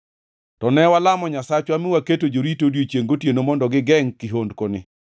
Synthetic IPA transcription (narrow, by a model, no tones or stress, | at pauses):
tɔnɛwalamɔɲasat͡ʃwamɪwaketod͡ʒoɾitodjot͡ʃjeŋɡotjenomɔndɔɡɪɡɛŋkiɦondkonɪ